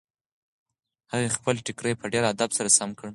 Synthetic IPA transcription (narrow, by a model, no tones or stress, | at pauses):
haɣexpəlʈɪkɾəjpʰəɖeɾad̪absaɾasamkəɽ